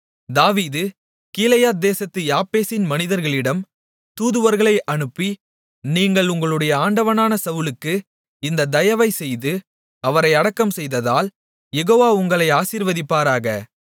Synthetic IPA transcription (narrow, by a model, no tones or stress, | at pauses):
d̪aːʋiːðɯ | kiːlɐjaːd̪eːsɐt̪ːɯjaːpːeːsɪnmɐnɪðɐɾɣɐɭɪɽɐm | t̪uːðɯʋɐɾɣɐɭɐɪʔɐɳɯpːi | niːŋɡɐɭʊŋɡɐɭɯɽɐjɐaːɳɖɐʋɐnaːnɐsɐʋɯlɯkːɯ | ɪnd̪ɐd̪ɐjɐʋɐɪsɛjðɯ | ɐʋɐɾɐɪɐɽɐkːɐmsɛjðɐðaːl | jɛɣoːʋaːʊŋɡɐɭɐɪaːsiːɾʋɐðɪpːaːɾaːɣɐ